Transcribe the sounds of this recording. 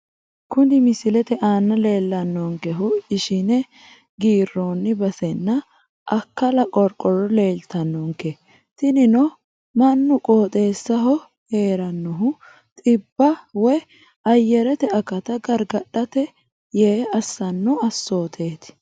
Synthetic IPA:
kʊnɪmɪsɪlɛt̪ɛʔaːnːɐle̞ːlːɐnːɔŋkɛɦʊɪʃɪnɛ | ɡiːrːoːnːɪbɐsɛnːɐ | ʔɐkːɐlɐkʼɔɾkʼɔɾɔle̞ːlt̪ɐnːɔŋkɛ | t̪ɪnɪnɔ | mɐnːʊkʼoːt̪ʼe̞ːsːɐɦɔ | he̞ːɾɐnːɔɦʊ | t̪ʼɪbːɐwɔj | ɐjːɛɾɛt̪ɛɐkːɐt̪ɐɡɐɾɡɐɗɐt̪ɛ | jeːɐsːɐnːʊɐsːo̞ːt̪ʰeːt̪ɪ̥

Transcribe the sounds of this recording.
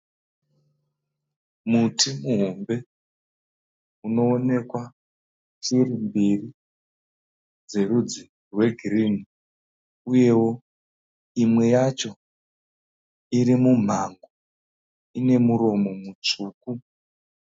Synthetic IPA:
mutʰimuɦo̞mbe̞ | uno̞ːne̞kwa | t͡ʃirimbiri | d͡ze̞rud͡zi | rwe̞ɡʱirini | uje̞wo̞ | imwe̞jat͡ʃo̞ | iɾimum̤aŋɡo | ine̞muɾo̞mo̞mut͡ʂuːku

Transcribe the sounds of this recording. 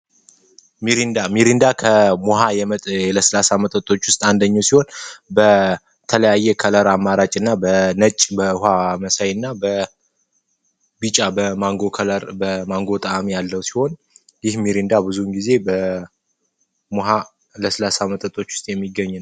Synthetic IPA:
miɾind̪amiɾind̪akʰəmuɦajɛmət̪ʼləsəlasamət̪ʼət̪ʼo̞t͡ʃːwʊst̪ʼand̪əɲːɛwsiho̞nbə | t̪ʰələjajːɛkʰələɾamːaɾat͡ʃʼɨnːabənət͡ʃʼːbəhaməsajɨnːabə | bit͡ʃʼabəmaŋɡokʰələɾbəmaŋɡo̞t̪ʼaamijalːəwsi̥ho̞n | jɪhmiɾind̪abɨzunɡize̞bə | moɦa | ləsəlasamət̪ʼət̪ʼo̞t͡ʃːwʊ̥st̪ʼjɛmːiɡːəɲːn

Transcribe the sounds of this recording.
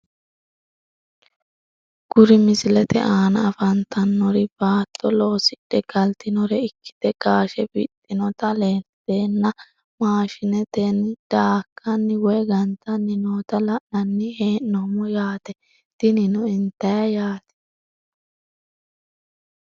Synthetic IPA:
ɡ̥ʊɾɪmɪsɪlɛt̪ɛ̰ʔaːnɐːfɐnt̪ʰɐnːɔɾɪb̥aːt̪ʰːɔlo̞ːsɪɗɛɡ̥ɐlt̪ɪnɔɾɛɪkːɪ̥d̪̥ɛɡ̥aːʃɛbɪ̰t̪ʼːɪnɔt̪ɐleːd̪̥eːnːɐ | maːʃɪnɛt̪enːɪd̪̥aːkʰːɐnːɪwɔjɡɐnt̪ɐnːɪnoːt̪ɐlɐʔɐnːɪheːnːɔmɔjaːt̪ɛ | t̪ɪnɪnʊɪnt̪ːɐjɐjaːt̪ɛ̥

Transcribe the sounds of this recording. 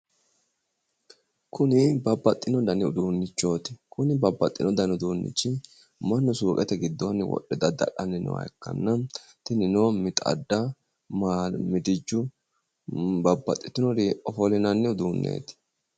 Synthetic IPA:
kʊnɪbɐbːɐt̪ʼːɪnɔd̪ɐnɪʊd̪uːnːɪt͡ʃːo̞ːt̪ɪ̥kʊnɪbɐbːɐt̪ʼːɪnɔd̪ɐnʊd̪uːnːɪ̰t͡ʃːɪ | mɐnːɔsuːkʼɛt̪ɛɡɪd̪ːonːɪwɔ̰ɗːɛd̪ɐd̪ɐ̰ᶑɐnːɪnɛ̰wɐ̰ɛkːɐ̰nːɐ | t̪ɪnɪnoːmɪt̪ʼɐ̰d̪ːɐ | mamɪd̪ɪd͡ʒːʊ | bɐbːɐ̰t̪ʼːɪt̪ːɪnɔd̪iɔfɔlɪnɐnːɪʊd̪uːnːḛːt̪ɪ̥

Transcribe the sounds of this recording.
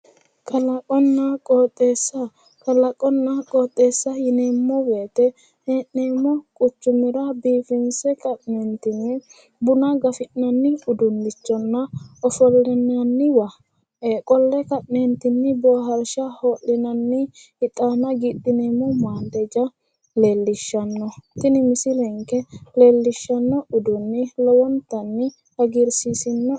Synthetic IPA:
kʰɐlɐkʼɔnːɐkʼɔːt̪ʼːeːsːɐ | kɐlɐkʼɔnːɐkʼɔːt̪ʼːeːsːɐjɪneːmːɔweːt̪ɛ | heːʔneːmːɔkʼʊt͡ʃːʊmɪɾɐbiːfɪnsɛkʼɐʔnent̪ɪnːɪ | bʊnɐɡɐfɪʔnɐnːɪʊd̪ʊnːɪt͡ʃːɔnːɐɔfɔlːɛnɐnːɪwɐ | kʼɔlːɛkɐʔnɛnt̪ɪnːɪboːɦɐɾʃɐhoːʔːɪnɐnːɪ | ɪt̪ʼːaːnɐɡiːt̪ʼːɪnemumaːnd̪ɛd͡ʒɐ | le̞ːlːɪʃːɐnːɔt̪ɪnɪmɪsɪlɛŋkɛle̞ːlːɪʃːɐnːɔʊd̪ʊnːɪlɔwɔnt̪ɐnːɪ | hɐɡɪɾsisɪnːɐ

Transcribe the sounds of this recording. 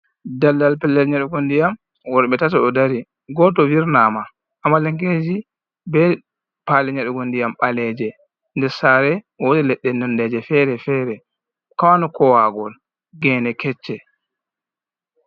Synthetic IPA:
dalːalpɛlːɛlɲaɗɛɡondijam | wɔɾɛɓɛtataɗɔdaɾi | ɡɔtɔwiɾnaːma | ʔːmːalɛŋked͡ʒi | bɛ | palɛɲaɗɛɡondijamɓalɛd͡ʒɛ | ndɛɾsaɾɛ | wodɛlɛɗːɛnɛndɛd͡ʒɛfɛɾɛfɛɾɛ | kawanɔkɔwaɡɔl | ɡɛːnɛkɛt͡ʃːɛ

